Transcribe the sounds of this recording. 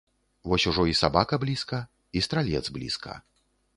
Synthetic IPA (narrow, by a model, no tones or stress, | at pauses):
vɔsʲuʐɔisabakɐblʲiskɐ | ist̪ɾalʲɛd̪zblʲḭskɐ̰